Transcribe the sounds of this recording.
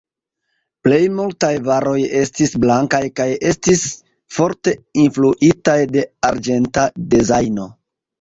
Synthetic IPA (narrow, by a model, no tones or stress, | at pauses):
ple̞jmultajvaɾo̞je̞stisblaŋkajkaje̞stis | fo̞ɾte̞influʔitajde̞aɾd͡ʒe̞ntadezajno̞